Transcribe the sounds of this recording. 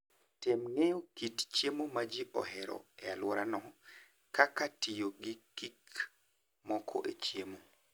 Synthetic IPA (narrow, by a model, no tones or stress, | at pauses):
temŋejokitt͡ʃemomad͡ʒiʔɔ̰ɦɛɾɔ̰ealwɔɾanɔ | kakatijoɡikːik | mɔkʰɔ̰ʔet͡ʃiemo